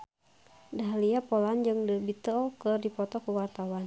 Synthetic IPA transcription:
daɦliapɔland͡ʒɨŋdəbit̪ɔkɨrdipɔt̪ɔkuwart̪awan

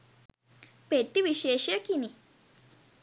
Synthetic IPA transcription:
peʈ̪ːiʋiɕeɕjəkini

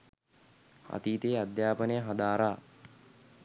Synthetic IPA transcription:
a̰t̪iːt̪eːad̪jaːpənəjəɦad̪aːɾaː

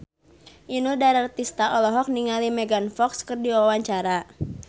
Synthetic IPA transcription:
ʔinudaɾart̪ist̪aʔɔlɔɦɔk̚niŋalimɛɡanfɔkskərdiwawaɲt͡ʃaɾa

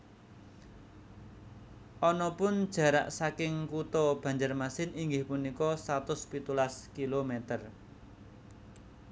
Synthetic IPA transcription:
ʔɔnɔpʊnd̥ʒ̥ä̤ɾa̰ʔsakɪŋkut̪ɔb̥ä̤ɲd͡ʒərmasɪniŋɡɪhpunikɔsat̪ʊspit̪ulaskilomɛt̪ər

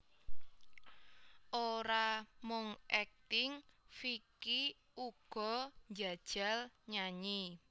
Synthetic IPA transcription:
ʔoɾamʊŋʔɛk̚t̪ɪŋfiki | uɡ̥ɔ̤nd͡ʒa̤d̥ʒ̥a̤lɲaɲi

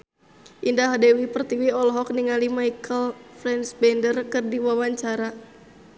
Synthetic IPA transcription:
ʔindaɦadɛwipərt̪iwiɔlɦɔk̚niŋalimajkʰəlfɾɛnsbɛndərkɨrdiwawaɲt͡ʃaɾa

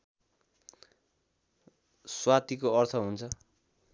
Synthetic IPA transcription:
swat̪ikoʌrt̪ʰʌɦunt͡sʰʌ

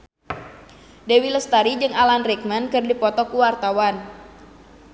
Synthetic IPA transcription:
dewiləst̪aɾid͡ʒɨŋalanrɛk̚mankɨrdipɔt̪ɔkuwart̪awan

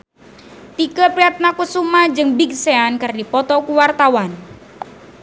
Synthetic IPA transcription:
t̪ikəpɾiat̪̚nakusumad͡ʒɨŋbik̚seankɨrdipɔt̪ɔkuwart̪awan

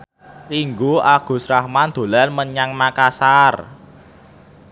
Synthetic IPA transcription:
riŋɡuaɡ̥ṳsɾahmand̪̥o̤lanməɲaŋmakasar

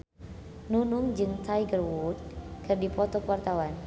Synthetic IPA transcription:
nunʊŋd͡ʒɨŋt̪ʰajɡərwut̪̚kɨrdipɔt̪ɔkəwart̪awan

